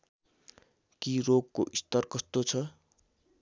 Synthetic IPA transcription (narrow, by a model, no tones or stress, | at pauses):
kiroɡkoʔist̪ʌrkʌst̪ot͡sʰʌ